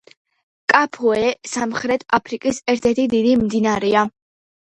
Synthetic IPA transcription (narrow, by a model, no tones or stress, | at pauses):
kʼapʰɔɛsamχɾɛt̪ʰapʰɾikʼisɛɾt̪ʰɛɾt̪ʰid̪id̪imd̪inaɾɛa